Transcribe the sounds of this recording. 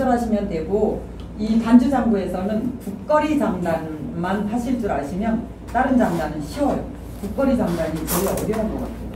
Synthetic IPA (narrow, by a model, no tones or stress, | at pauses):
ʌɾɦaɕʰimjʌntwe̞ɡo | itand͡ʑud͡ʑaŋɡue̞sʰʌnɯnpuk̚k͈ʌɾit͡ɕaŋdanmanpʰaɕʰiɭt͡ɕ͈uɾaɕʰimjʌn | t͈aɾɯnd͡ʑaŋdanɯnɕʰiwʌɭ | kuk̚k͈ʌɾid͡ʑaŋdaɲit͡ɕʌiʌɾjʌɦaɡʌk͈a̰t̚t͈e